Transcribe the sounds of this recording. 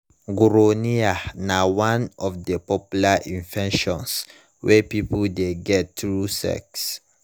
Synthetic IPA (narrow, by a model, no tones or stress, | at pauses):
ɡuɾonianawãnɔfdəpɔpjulaʔĩnvɛ̃nʃɔ̃ns | wɛpipuldeɡɛttɹusɛ̰ks